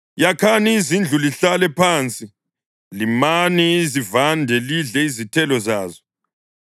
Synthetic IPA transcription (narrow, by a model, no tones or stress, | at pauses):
jakʰaniːzind͡ɮʱuliɬalɛpʰaːnt͡sʼi | limanizivandʱɛliɮɛizitʰɛlɔzaːzɔ